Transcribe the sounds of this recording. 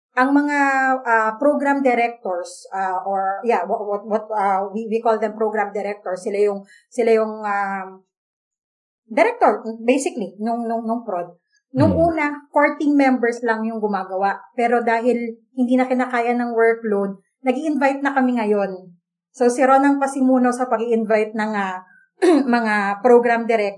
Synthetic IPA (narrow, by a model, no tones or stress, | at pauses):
ʔɐŋmɐŋaʔɐpɾoɡɾamd̪ɛɾɛk̚t̪oɹsʔaʔoɹjawwɐt̪̚wɐt̪̚awiwikold̪ɛmpɾoɡɾamd̪ɛɾɛk̚t̪oɹsɪlajʊŋ | sɪlajʊŋa | d̪ɛɾɛk̚t̪oɹbejsɪklinʊŋnʊŋnʊŋpɾod̪̚ | nʊŋʔuːnɐkoɹt̪ɪŋmɛmbɛɹslɐŋjʊŋɡʊmaːɡɐwaʔpɛːɾo̞d̪aːɦɪlhɪnd̪iːnɐkɪnaːkaːjɐnɐŋwɛɹklod̪̚ | nɐɡiːʔɪnvajt̪̚nɐkɐmɪŋɐjo̞n | sowsɪɾonɐŋpɐsɪmuːno̞sɐpɐɡiʔɪnvajt̪̚nɐŋa | mɐŋapɾoɡɾamd̪ɛɾɛk̚